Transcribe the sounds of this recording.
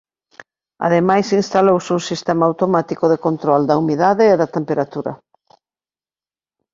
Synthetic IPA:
a̰ðemajsinst̪alowsuŋsist̪ɛmaːwt̪omat̪ikʊðekont̪ɾɔld̪ɐumiðaðɪːðɐt̪empeɾat̪uɾɐ̰

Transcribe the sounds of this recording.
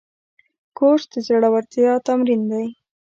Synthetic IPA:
koʂd̪əzaɽawaɾt̪jɑt̪amɾind̪aj

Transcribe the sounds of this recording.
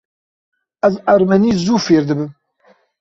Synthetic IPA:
azaɾmaniːzuːfeːɾd̪ɨbɨm

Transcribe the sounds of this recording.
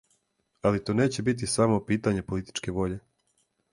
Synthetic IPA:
alit̪oːne̞ːt͡ɕe̞bit̪̬isamopiːt̪aɲe̞po̞lit̪i̥t͡ʃke̞ʋo̞ʎe̞

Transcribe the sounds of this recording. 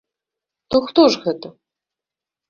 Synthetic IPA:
t̪oxt̪oʐɣɛt̪ɐ

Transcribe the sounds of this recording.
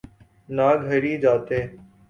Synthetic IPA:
naːɡʱəɾiːd͡ʒaːt̪eː

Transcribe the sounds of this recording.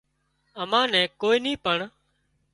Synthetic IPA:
əmãːnɛ̃ːkoːiːnĩːpəɳ

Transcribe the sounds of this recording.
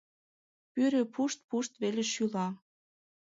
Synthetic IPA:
pyɾepʰuʃt̪̚puʃt̪βeleʃylɑ

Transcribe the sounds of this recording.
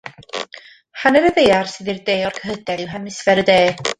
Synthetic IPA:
hanɛɾəðejarsɨðirdeːɔrkʰəɦəd̥ɛlˠiwɦɛmɪsvɛɾədeː

